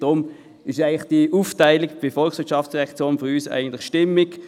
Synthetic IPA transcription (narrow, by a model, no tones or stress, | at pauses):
d̥ʁʊm | ɪʃæɪnlɪχd̥iʔuːftaɪlɪkb̥ɪfɔlkχsʋɪɐʃɑft͡ssd̥ɛɛkt͡sjoːnføʁyːsæ̰ɪɡən̩tlɪχʃtɪmːɪk